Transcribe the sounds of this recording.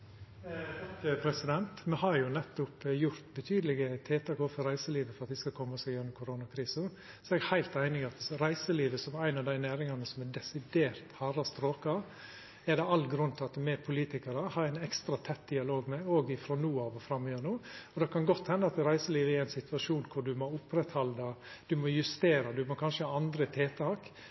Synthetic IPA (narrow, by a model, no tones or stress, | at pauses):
kəpʰɾɛsɪd̪ɛnt̪mɛhɑɾjʊnɛt̪ːʊpjʊɾt̪bət̪ʰyːd̪əlɪɡət̪ʰeːt̪ɑkoːfɔɾæɪsəliːʋəfɔɾɑt̪̚d̪ɪskɑkʰɔmːəɔsɛjɛnːʊmkʰʊɾoːnɑkʰɾiːsə | sɔɛɡɛhæɪlt̪æɪnɪɡɪɑt̪ɾæɪsəliːʋəsɔmæɪnɑʋd̪æɪnæːɾɪŋɑnəsɔmɛd̪ɛsɪd̪eːɾt̪hɑɾɑst̪ɾoːkɑ | ɛd̪ɛɑlːɡɾʉnːt̪ʰɪɑt̪mɛpʰʊliːt̪ɪkəɾəhɑɾæɪnɛkst̪ɾɑt̪ʰɛt̪ːd̪ɪɑloːɡmɛoːɡɪfɾoːnuːɑːʋɔfɾɑmːɪjøːnuːɔd̪ɛkʰɑnɡɔt̪ːhɛnːəɑt̪ɾæɪsəliːʋəɛɾæɪnsɪt̪ʋɑʂuːnkʰʊɖʉmɔʊpːɾɛt̪hɑld̪ɑd̪̥ʉmɔjʉst̪eːɾɑd̪ʉmɔkʰɑnʂəhɑːɑnd̪ɾət̪ʰeːt̪ʰɑːk